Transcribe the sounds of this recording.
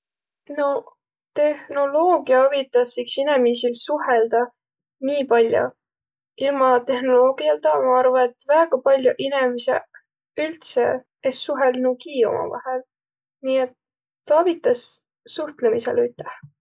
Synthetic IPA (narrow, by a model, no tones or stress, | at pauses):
no̞ | t̪e̞hno̞lo̞ːɡiɑɑvit̪ˑːɑsːiksine̞misilsuɦeld̪̥ɑ | niːpɑlʲjo̰ | ilmɑt̪e̞hno̞lo̞ːɡ̥iɑlt̪ɑːmɑɑrvɑet̪ːvæːɡ̥ɑpɑlʲjoʔinemisḛ | ylt̪sḛ | esːuɦelnukiːo̞̰mʔɑ̰vɑ̰hel | niːe̞t̪ː | ɑɑvit̪ːˑɑs | suht̪lemise̞̰lyt̪ːˑe